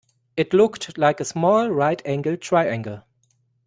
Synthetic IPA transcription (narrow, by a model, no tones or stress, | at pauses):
ɪtʰlʊktʰlaɪkəsmɔlˠɹaɪtʰæ̃ŋɡl̩ˠtʰɹ̥aɪæ̃ŋɡəl̩ˠ